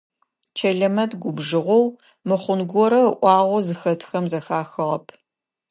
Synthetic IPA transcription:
t͡ʃʰɐɮɐmɐtɡʷʊbʐɨʁʷɔw | mɨχʷʊnɡʷɔɾɐʔʷɑːʁʷɔzɨxɐtxɐmzɐxaːxɨʁɐpʰ

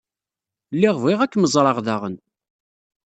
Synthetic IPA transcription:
lːɪʁvɪʁækːməzˤɾˤɑʁðaʁən

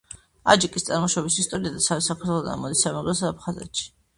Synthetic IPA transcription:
a̰d͡ʒikʼist̪sʼaɾmɔʃɔbisist̪ʼɔɾiad̪asavisakʰɾt̪ʰlˠɔd̪a̰nmɔd̪isamɛɡɛsapχazɛ̰t̪ʃi̥

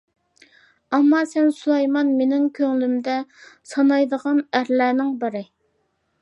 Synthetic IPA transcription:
ɑmːɑsɛnsulˠɑjmɑnmenɪŋkʲʰøŋlymd̪ɛsɑnɑjd̪əʁɑnæɾlæːnɪŋbəɾɨ

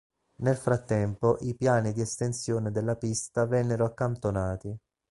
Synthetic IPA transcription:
nelfɾat̪ːɛmpoʔipjaːnid̪iɛst̪ensjoːned̪elːapist̪avɛnːeɾoakːant̪onaːt̪i

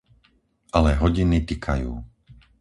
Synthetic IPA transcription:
ʔalɛɦɔɟinit̪ikʰajṵː

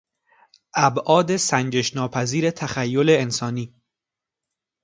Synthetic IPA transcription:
ʔæbʔɒːd̪e̞sænd͡ʒeʃnɒːpʰæziːɾe̞t̪ʰæxæjːoleːnsɒːniː

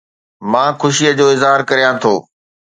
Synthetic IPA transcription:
mãːxʊʃ̬iəd͡ʑoːɪzɦaːɾkɐɾijãt̪ʰo̰ː

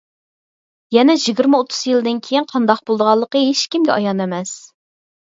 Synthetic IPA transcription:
jɛnɛʒiɡʲiɾmɪot̪ʰːʊ̥zjɪld̪ɪnkʲʰejinqʰɑnd̪ɑq̚bolˠd̪əʁɑlˠːəqəɦeʃkʲimɡʲɛʔɑjɑnɛmɛs

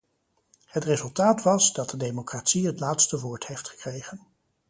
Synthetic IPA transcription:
hətrezɵlˠtaːtʋɑzdɑt̚dədejmokratsiɦətlaːtstəʋoːɹthejftχə̥krejχən

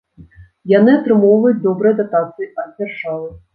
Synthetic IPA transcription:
janɨɐt̪ɾɨmɔwvɐjut͡sʲd̪ɔbɾɨjɐd̪at̪at̪sɨiʔɐd̪̚vʲarʂalˠɨ

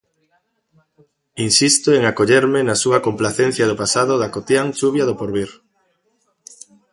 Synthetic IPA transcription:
insist̪ʊeŋakoʎeɾmenasuɐkomplaθen̟θjɐðʊpasaðʊðakot̪jaŋt͡ʃuβjaðʊpoɾβiɾ

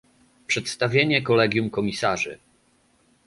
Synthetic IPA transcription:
pʂɛt̪st̪avʲjeɲɛkɔlɛɡʲjumkɔmʲisaʐɘ̰

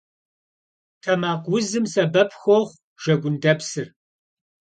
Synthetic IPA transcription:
tʰɐmaːqwʊzɨmsɐbɐpʰxʷɔʁʷ | ʒ̥ɐɡʷʊndɐpsɨr

